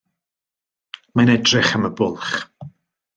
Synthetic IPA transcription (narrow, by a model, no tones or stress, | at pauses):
manɛdrɪχəməbʊlˠχ